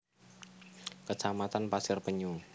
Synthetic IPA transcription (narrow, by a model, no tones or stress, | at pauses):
kət͡ʃamat̪anpasɪrpəɲu